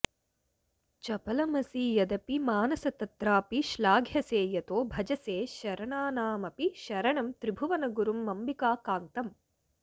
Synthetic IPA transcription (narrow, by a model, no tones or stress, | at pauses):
t͡ʃɐpɐlɐmɐsiːjɐd̪ɐpimaːnɐsɐt̪ɐt̪ɾaːpiʃlaːɡʱjɐseːjɐt̪oːbʱɐd͡ʒɐseːʃɐɾɐɳaːnaːmɐpiʃɐɾɐɳɐmt̪ɾibʱuʋɐnɐɡuɾumːɐmbikaːkaːnt̪ɐm